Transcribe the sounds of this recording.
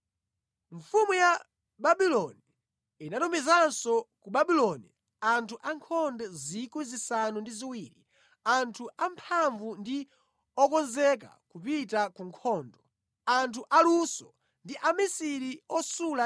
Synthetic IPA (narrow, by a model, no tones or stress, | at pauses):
ɱfumuja | baɓilɔniː | natumizansɔkuɓaɓilɔnḭ | antʰuʔaŋkʰɔndɛzikwizisanundiziwiːɾḭ | antʰuampʰaɱvundi | ɔkɔnzɛk̬a̰kupitakuŋkʰɔːndɔ | antʰuʔalusɔ | ndiʔamisiɾiɔsula